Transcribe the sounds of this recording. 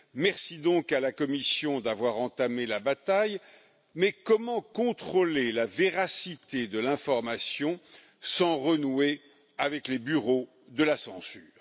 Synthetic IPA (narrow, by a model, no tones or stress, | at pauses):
mɛʁsid̪ɔ̃kalakɔmisjɔ̃d̪avwaʁɑ̃t̪amelabat̪aj | mɛkɔmɑ̃kɔ̃t̪χolelaveʁasit̪ed̪əlɛ̃fɔʁmasjɔ̃ | sɑ̃ʁənwe | avɛklebyʁo | d̪əlasɑ̃sy̰ːʁ